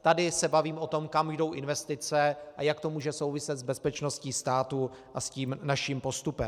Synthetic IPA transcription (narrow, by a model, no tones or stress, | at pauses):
t̪adɪsɛbaviːmʔo̞t̪o̞mkamʒdo̞wʔɪnvɛst̪ɪt͡sɛʔajakt̪o̞muːʒɛso̞wvɪsɛt̪zbɛspɛt͡ʃno̞sciːst̪aːt̪u | ʔasciːmnaʃiːmpo̞st̪upɛm